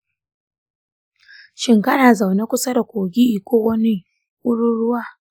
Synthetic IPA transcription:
ʃɪ˦˨ŋkɐ˦naː˨za˨wna˦kʷʊ˦sa˦da˨kʷoː˨ɡʲi˦ʔi˨kʷoː˦wɐ˦ni˦ | ʊ˦ɽʊ˦ɽʊ˦waː˦

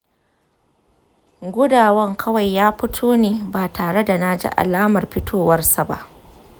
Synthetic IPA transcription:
ɡʷʊ˦daː˨wɐ˦ŋkʰɐ˦wa˨jːaː˦ɸʊ˦tʰoː˦neː˨baː˨taː˨ɽe˦da˨na˦d͡ʒḭ˦ʔa̰˨laː˦mɐ˨rɸɪ˦tʰoː˦wɐ˦rsa˨ba̰˦ʔ

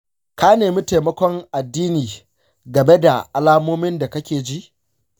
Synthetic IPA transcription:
ka˦neː˨mi˦te˨mɐ˦kʷɔ˦ŋʔa˨dːiː˦niː˨ | ɡɐ˨me˦da˨ʔa˨laː˦moː˦mɪ˦nda˨kɐ˦kʲeː˨d͡ʒi˦ʔ

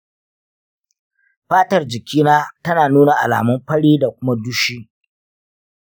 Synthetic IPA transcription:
ɸaː˦tɐ˨rd͡ʒɪ˨kʲʰiː˦naː˦tɐ˦naː˨nuː˦na˨ʔa̰˨la̰ː˨mʊ˦mɸɐ˦ɽiː˦da˨kʷʊ˦ma˦du˦ʃiː˦

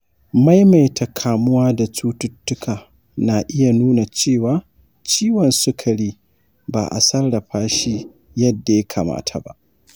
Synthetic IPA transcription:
ma˦jma˨jtʰa˨kʰaː˨mʊ˦waː˦da˨t͡ʃuː˦tʊ˦tːʊ˦kʰaː˨ | na˨ʔɪ˦ja˨nuː˦na˨t͡ʃeː˦˨waː˨˦ | t͡ʃiː˦wɔ˨nsʊ˦kʰɐ˨ɽiː˦ | ba̰ː˨ʔa̰˨sɐ˦rɽɐ˨ɸaː˦ʃi˦ | jɐ˦dːa˨ja˦kʰaː˨ma̰ː˦tʰa˨ba̰˦ʔ

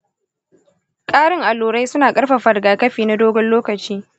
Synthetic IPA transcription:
kʼaː˦ɽɪ˦ŋʔa˨loː˨ɽa˦jsʊ˦naː˨kʼɐ˦ɽɸa˨ɸɐ˨rɡaː˨kɐ˦ɸiː˨na˦doː˦ɡɔ˦nloː˦kɐ˨t͡ʃiː˦

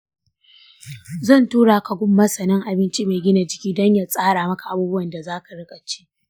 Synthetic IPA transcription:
zɐ˦˨ntuː˦ɽaː˨ka˨ɡʷʊ˦mːɐ˦sɐ˨nɐ˦ŋʔa˨bɪ˦nt͡ʃʼiː˦maː˨ɡʲɪ˦na˨d͡ʒɪ˨kʲiː˦dɔ˦ɲjaː˨sʼaː˦ɽaː˨mɐ˦ka˨ʔa˨buː˦bʊ˦wɐ˨nda˨zaː˦ka˨ɽɪ˦kʼɐ˨t͡ʃi̥ː˦ʔ

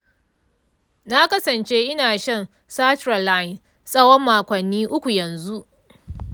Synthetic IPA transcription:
na˦kɐ˦sɐ˨nt͡ʃe˦ʔɪ˦naː˨ʃɐ˦n | saː˦tɾa˨la˦jn | sʼɐ˦wɔ˦mːaː˨kʷɐ˨nːiː˦ʔʊ˦kʷu˨jɐ˨nzu˦ʔ

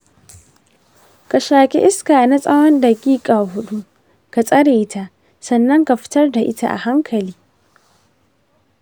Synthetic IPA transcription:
ka˨ʃaː˨kʲɛ̰˦ʔɪ˦skaː˨na˦sʼɐ˦wɔ˦ndɐ˨ɡʲiː˦kʼaː˨ɦʊ˦ɗu˦ʔ | ka˨sʼɐ˦ɽeː˨˦tʰa˦ʔ | sɐ˨nːɐ˦ŋka˨ɸɪ̥˦tɐ˦rda˨ʔɪ̰˦ta˦˨ʔa̰˨ha˦ŋkʰɐ˨liː˦

